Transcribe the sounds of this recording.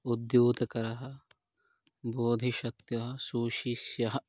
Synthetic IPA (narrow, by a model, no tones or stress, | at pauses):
ud̪juːt̪ɐkɐɾɐɦɐ | boːd̪ʱiʃɐk̚t̪jɐɦɐsuːʃisjɐɦɐ